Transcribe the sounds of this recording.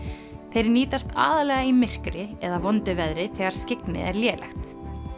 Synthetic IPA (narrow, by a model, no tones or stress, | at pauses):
θejɾniːt̪ast̪a̰ːðalɛɣaimɪr̥kɾɪɛðavɔnt̪ʏvɛðɾɪθɛːɣaɾ̥scɪknɪ̰ɛ̰ɾljɛːlɛ̰xt̪